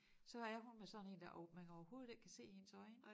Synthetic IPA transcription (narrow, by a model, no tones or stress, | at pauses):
sɒ̽hɑɐæɐɦunmesɒ̽ne̝̰ːnd̥æʔɒmænɒʊɐho̝ːð̞̩ˠe̝ɡ̥̚kʰæse̝̰ːhe̝nsɒ̽ɪn